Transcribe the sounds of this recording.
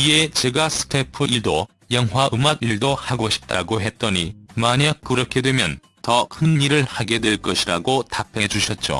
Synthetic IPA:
ie̞t͡ɕe̞ɡasʰɯ̥kʰepʰɯʔiɭdo | jʌŋɦwaɯmaɡiɭdohaɡoɕʰi̥p̚t͈a̰ɡoɦe̞t̚t͈ʌɲimaɲak̚k͈ɯɾʌkʰe̞dwemjʌn | tʌkʰɯnːiɾɯɭhaɡe̞dwe̞ɭk͈ʌɕʰiɾaɡotapʰe̞d͡ʑuɕʰʌt̚t͡ɕ͈o̰

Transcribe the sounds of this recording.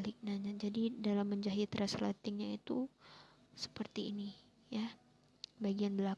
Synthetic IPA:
lɪk̚naɲad͡ʒadidalamːəɲd͡ʒaɦit̪ɾaslat̪ɪŋɲait̪u | sə̥pərt̪ḭːni | ja | baɡianbəla

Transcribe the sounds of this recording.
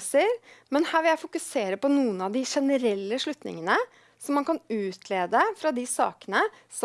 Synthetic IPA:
səɾmɛnhæːɾʋɪljæɪfʊkʉseːɾəpɔnuːənɑʋd̪ɪʂɛnəɾɛlːəʂɭʉt̪nɪ̰ŋənə | sɔmːɑnkʰɑnʉːt̪ʰleːd̪əfɾɑd̪ɪsɑ̰ːkənə | s

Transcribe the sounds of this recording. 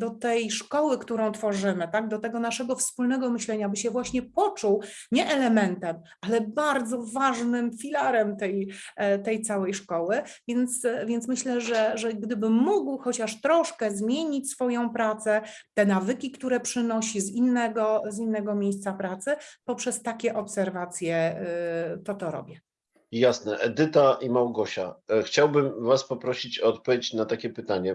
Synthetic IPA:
d̪ɔt̪ɛjʂkɔwɘkt̪uɾɔ̃w̃t̪fɔʐɘmɘt̪aɡd̪ɔt̪ɛɡɔnaʂɛɡɔfspulnɛɡɔmɘɕlɛɲabɘɕɛvwaɕɲɛpɔt͡ʂuw | ɲɛʔɛlɛmɛnt̪ɛm | ʔalɛbaɾd̪zɔvaʐnɘmfʲilaɾɛmt̪ɛjt̪ɛjt̪sawɛjʂkɔwɘvʲjɛnt̪svʲjɛnt̪mɘɕlɛʐɛʐɛɡd̪ɘbɘːuɡwxɔt͡ɕaʂt̪ɾɔʂkɛzmʲjeɲit͡ɕʲsfɔjɔ̃w̃pɾat̪sɛt̪ɛnavɘkʲikt̪uɾɛpʂɘnɔɕizinːɛɡɔzinːɛɡɔmʲjejst̪sapɾat̪sɘpɔpʂɛst̪akʲɛʔɔpsɛɾvat̪sʲjɛ | t̪ɔt̪ɔɾɔ̰bʲjɛ | jasnɛʔɛd̪ɘt̪aimawɡɔɕa̰xt͡ɕawbɘmvaspɔpɾɔɕit͡ɕːt̪̚pɔvʲjet͡ɕnat̪akʲɛpɘt̪aɲɛ

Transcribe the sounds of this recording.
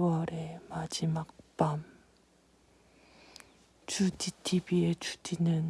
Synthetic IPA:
wʌɾemad͡ʑimak̚p͈am | t͡ɕuditʰibiet͡ɕu̥dʰinɯn

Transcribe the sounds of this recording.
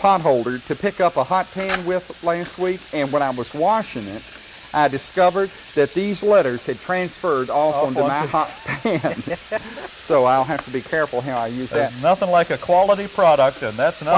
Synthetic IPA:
pʰɑt̚ɦoʊlˠdə˞ɾɨpʰɪkʌpəhɑt̚pʰæ̃nwɪð̥læst̚wikɨ̃nwə̃ñaɪwʌzwɑʃɪ̃ŋɪt | ʔaɪdɨskʌvə˞d̪̚ | ðɨt̪̚ðizlɛɾə˞z̥ɨd̚tʰɹ̥æ̃nsfɜ˞ɾɔlˠʌ̃nmaɪhɑt̚pʰæ̃n | soʊaɪlˠɦæftəbikʰɛɹfl̩ˠɦaʊaɪjʉzðɨt̚nʌθɪ̃ŋlaɪkɨkʰw̥ɑlˠəɾipʰɹ̥ɑɾək̚tɨ̃nðætsn

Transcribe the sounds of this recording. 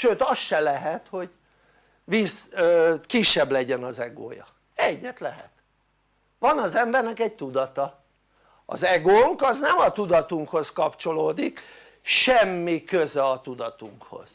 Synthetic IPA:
ʃøːt̪ɒsʃɛlɛɦɛt̪ho̞ɟ | ʋiːsøkiʃːɛblɛɟɛnɒzɛɡo̰ːjɒ̰ | ɛɟːɛt̪lɛɦɛ̰t̪ | ʋɒnɒzɛmbɛrnɛkɛɟ̚t̪ud̪ɒt̪ɒ | ɒ̰zɛɡoːŋkɒznɛmɒt̪ud̪ɒt̪uŋkho̞skɒpt͡ʃo̞loːd̪ik | ʃɛmːikøzɛɒt̪ud̪ɒt̪uŋkho̞̰z̥

